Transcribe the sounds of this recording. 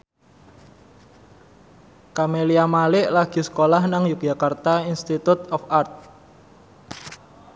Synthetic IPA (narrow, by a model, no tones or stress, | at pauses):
kameliamalɪʔlaɡ̥i̤sə̥kolahnaŋjuk̚ʒ̥akart̪ainst̪it̪ut̪ɔfart̪̚